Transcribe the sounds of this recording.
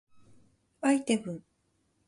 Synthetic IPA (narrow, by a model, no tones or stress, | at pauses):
ait̪ebɯ̟̃ŋ